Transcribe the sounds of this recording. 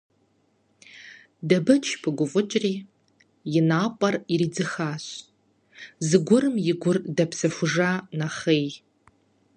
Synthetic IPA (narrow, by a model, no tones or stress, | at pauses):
dabɨt͡ʃʰpʰɨɡʷʊfʼʊt͡ʃʷʼri | jɪnapʷʼariɾid͡zɨχaɕʷʼ | zɨɡʷʊrɨmjɪɡʷʊrdapʰsɨʃʷʊʐanaχej